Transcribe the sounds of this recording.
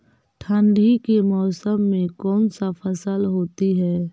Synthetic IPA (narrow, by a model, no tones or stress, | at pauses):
ʈʰə̃ɳɖʱikemɔːsəmːẽkɔːnsafʰəsəlɦoːt̪iɦɛː